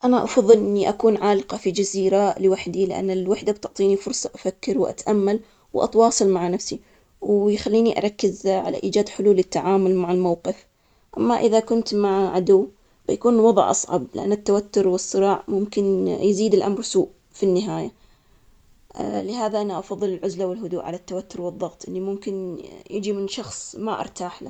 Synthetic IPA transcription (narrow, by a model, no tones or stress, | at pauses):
ʔanaʔɑ̰fɑðˤːɨlʔɪnːiʔakuːnʕaːlɪqɑfid͡ʒaziːɾalɪwaħd̪ilɪʔa̰nːɪlwaħd̪ab̚t̪ʊʕt̪ˤiːnifʊɾsˤɑʔafakːɪɾwʔa̰t̪ʔamːal | wʔɑ̰t̪wɑːsˤɨlmaʕanafsi | wjxalːiːniʔa̰ɾˤɑkːɪzʕa̰la̰ʔiːd͡ʒaːd̪ħʊluːlɪt̪ːaʕaːmʊlmaʕɪlmawqɪf | ʔamːaʔɪðakʊnt̪maʕʕad̪ʊwː | bajakuːnwɑðˤʕʔɑ̰sˤʕɑ̰blɪʔa̰nːat̪ːawat̪ːʊɾwɨsˤːɨɾɑːʕmʊmkɪnjziːd̪ɪlʔamɾsuːʔ | finːɪɦaːja | lɪɦaːðaʔanaʔɑfɑðˤːɨlɪlʕʊzlawɪlɦʊd̪uːʔʕa̰lat̪ːawat̪ːʊɾwɨðˤːɑɣt̪ˤʔɪ̰nːimʊmkɪnjɪd͡ʒimɪnʃɑxsˤmaʔɑ̰ɾˤt̪aːħla